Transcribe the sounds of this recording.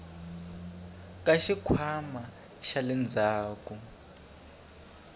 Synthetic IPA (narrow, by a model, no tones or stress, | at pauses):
kʼaʃikʰwama | ʃalɛnd͡zʱaːku